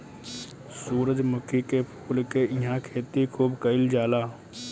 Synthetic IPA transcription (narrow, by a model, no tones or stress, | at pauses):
suːɾəd͡ʒmʊkʰikepʰuːlkeɪɦãkʰeːt̪ikʰuːbkəɪld͡ʒaːlaː